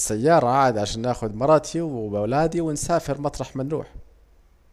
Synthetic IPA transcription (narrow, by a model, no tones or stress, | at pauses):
sajːɑːɾˤɑʕaːɪd̪ʕaʃaːnːaːxʊd̪mɑɾˤɑt̪ʰibawlaːd̪iwɪnsaːfɪɾmɑt̪ˤɾˤɑħmɪnɾṵːħ